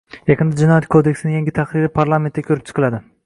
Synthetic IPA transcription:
jaqɨnd̪ad͡ʒɪnɒjat̪kʰod̪e̞kʲsɪnɪŋjaŋɡʲɪt̪ʰaqɾɪɾɪpʰaɾlˠame̞nt̪ːʲakʲʰɵɾɪp̚t͡ʃʰɨ̥qʰɨlˠad̪ɪ

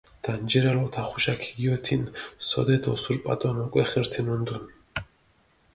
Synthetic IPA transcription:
d̪̥and͡ʒɛɾalɔt̪ʰaχuʃakʰiɡiɔt̪ʰinsɔ̰d̪ɛd̪ʰɔsuɾpʼa̰t̪ʼɔnɔkʼɛχɛɾt̪ʰɛnund̪un

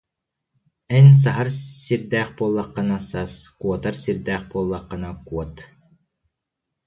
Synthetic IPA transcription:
ɛns̬aɦaɾsiɾd̪ɛːχpuɔlˠːɑqːɑnasaskuɔt̪aɾsiɾd̪ɛːχbuɔlˠːɑqːɑnakuɔt̪

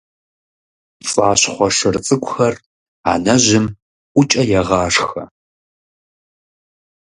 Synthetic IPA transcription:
fʼaːɕχʷɔʂɨrt͡sʼɨkʷʼʊxɐr | a̰ːnɐʑɪm | ʔʷʊt͡ʃʼɐjɛʁɑːʂxɐ̰

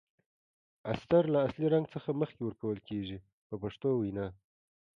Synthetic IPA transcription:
ast̪aɾlaːsliɾaŋɡt͡səxaməxkewəɾkawəlkeʒi | pəpaʂt̪owinɑ

